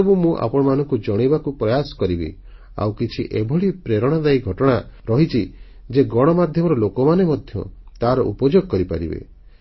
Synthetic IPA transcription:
ɔbumũʔa̰pɔɽ̃ɔmanɔŋkud͡ʒɔɽ̃ibakupɾɔjasɔ̥kɔɾibḭ | a̰wkit͡ʃʰiʔebʱɔɭipɾeɾɔɽ̃ad̪ajɡʱɔʈɔɽ̃aɾɔɦit͡ʃʰi | d͡ʒeɡɔɽ̃ɔmad̪ʱjɔmɔɾɔlokɔmanemɔd̪ʱjɔ̰t̪aɾɔʔṵpɔd͡ʒoɡɔkɔɾipaɾḭbḛ

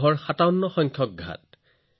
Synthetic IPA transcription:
ɦɔɹxatawnːɔxɔŋkʰjɔk̚ɡʱa̰t

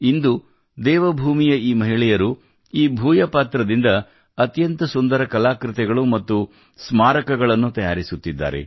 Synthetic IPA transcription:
ind̪u | d̪ɛːʋɐbʱuːmijɐiːmɐɦiɭɛjɐɾu | iːbʱuːjɐpaːt̪ɾɐd̪ind̪ɐ | ɐt̪jɐnt̪ɐsund̪ɐɾɐkɐlaːkɾɪt̪ɛɡɐɭumɐt̪ːu | smaːɾɐkɐɡɐɭɐnːut̪ɐja̰ːɾisut̪ːid̪ːa̰ːɾḛ

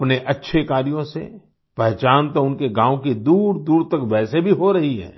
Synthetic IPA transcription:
pneʔɐtːʃʰekaːɾijõsḛ | pɛɦt͡ʃaːnt̪oʊnkeɡãːwokid̪uːɾd̪uːɾt̪ɐkʋɛːsebʱiɦoɾɐɦiɦɛ̰ː

